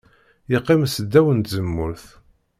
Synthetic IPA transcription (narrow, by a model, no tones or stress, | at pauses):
jiqːimsəd̪ːæwənt̪zəmːʊɾθ